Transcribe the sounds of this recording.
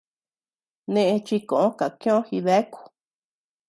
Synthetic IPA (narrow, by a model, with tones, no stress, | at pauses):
nẽ˧ʔe˧t͡ʃi˧kõ˨ʔõ˦ka˨kj̃õ˦xi˧ðe˦ku̥˧